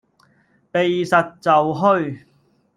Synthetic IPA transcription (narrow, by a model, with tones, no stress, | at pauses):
pe˨jsɐ˨t̚t͡sɐ˨wɦɵ˥ɥ